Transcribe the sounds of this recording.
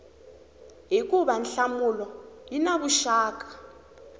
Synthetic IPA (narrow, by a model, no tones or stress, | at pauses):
ɦik̬ʼuɓanɬamulɔjinaɓuʃaːk̬ʼḁ